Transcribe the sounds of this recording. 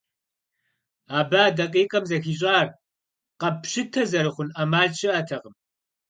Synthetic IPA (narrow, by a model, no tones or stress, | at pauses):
aːbaːdɐqʼiːqʼɐmzɐxiːɕ̬ʼaːr | qɐpɕɨtʰɐzɐɾɨχʷʊnʔɐmaːɮt͡ʃʰɪatʰɐʁəm